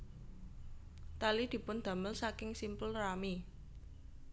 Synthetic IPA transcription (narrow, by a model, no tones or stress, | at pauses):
t̪alid̪̥i̤pʊnd̪̥ä̤məlsakɪŋsimpəlrami